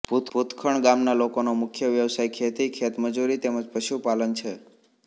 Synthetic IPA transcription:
put̪put̪kʰəɳɡamnalokonomʊkʰjəʋjəʋsajkʰet̪ikʰet̪məd͡ʒuɾit̪eməd͡ʒpəʃupalənt͡ʃʰe

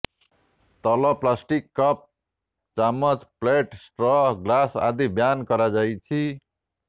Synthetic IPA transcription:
t̪ʌlʌplasʈikːʌp̚ | t͡samʌt͡spleʈsʈrʌɡlasa̰d̪ibjankʌɾad͡zajt͡sʰi

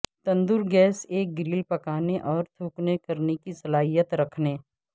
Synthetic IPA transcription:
t̪ɐ̃nd̪ʊɾɡɛːseːk̚ɡɪɾiːlpɐkaːneʔɔːɾt̪ʰuːknekɐɾnekisɐlaːɦijət̪ɾɐkʰneː

